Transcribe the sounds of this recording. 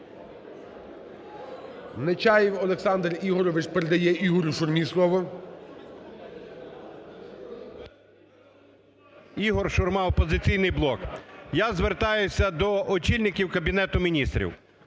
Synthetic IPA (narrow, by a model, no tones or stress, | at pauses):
net͡ʃɑjiwɔlˠeksɑnd̪riɦɔɾɔʋɪt͡ʃpeɾed̪ɐjɛʔiɦɔɾʲʊʃʊrmʲislˠɔʋɔ | iɦɔrʃʊrmɑwpɔzɪt͡sʲijnɪjblˠɔkjazʋert̪ɑjʊsʲɐd̪ɔʔɔt͡ʃilʲnɪkʲiwkɐbʲinɛt̪ʊmʲinʲist̪ɾʲḭw